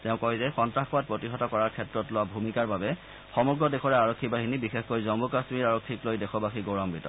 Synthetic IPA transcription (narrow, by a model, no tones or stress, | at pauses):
tɛʊ̃kɔɦizɛxɔntɹaxɔwat̚pɹotiɦɔtɔkɔɹaɹkʰɛtɹɔtloʊwabʱumikaɹbabɛ | xɔmɔɹɡɹɔdɛxɔɹɛaɹɔkʰːibaɦinibixexkojzɔmbukasmiɹaɹokʰːiklojdɛxʰɔbaxiɡoɹɔmbitɔ̰